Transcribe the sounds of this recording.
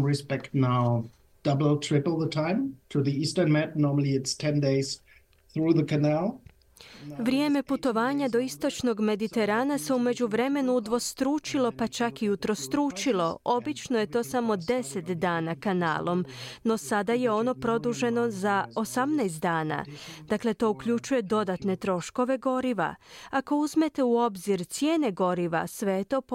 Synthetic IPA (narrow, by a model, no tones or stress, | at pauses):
ɹɪspɛktⁿnaʊ | d̥ʌbl̩ˠtʰɹ̥ɪplˠðətʰãɪ̃mtʰuðiistə̃˞nmætnɔɹməl̩ˠiɪtstʰɛ̃ndeɪz̥ | θɹuðəkʰɨnælˠ | ʋɾje̞ːme̞put̪o̞ʋaːɲad̪o̞ist̪o̞t͡ʃno̞ɡme̞d̪it̪e̞ɾaːnase̞ume̞d͡ʑuʋɾe̞me̞nuːd̪ʋo̞st̪ɾuːt͡ʃilˠo̞pat͡ʃakiut̪ɾost̪ɾuːt͡ʃilo̞ʔo̞bit͡ʃno̞je̞t̪o̞ːsamo̞d̪e̞se̞t̪d̪aːnakana̰ːlˠo̞mno̞sad̪aje̞o̞no̞pɾo̞d̪uʒe̞no̞zaosamnajst̪̚d̪aːna̰d̪̥akle̞t̪o̞ːukʎut͡ʃuje̞d̪o̞d̪at̪ne̞t̪ɾo̞ʃko̞ʋe̞ɡo̞ɾiʋa̰ako̞uzme̞t̪e̞uo̞bziɾt̪sje̞ːne̞ɡo̞ɾiʋa̰sʋe̞jet̪o̞ːp